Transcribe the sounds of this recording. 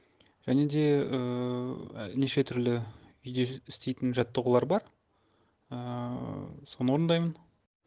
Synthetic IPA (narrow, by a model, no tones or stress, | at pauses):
ʒ̥æne̞d̪e̞ə | neʃe̞t̪ʰʏɾlɪ | ʏjd̪e̞ɪst̪e̞jt̪ɪnʒɑt̪ːəʁulˠɑɾbɑɾ | ə | so̞nəwoɾənd̪ɑjmən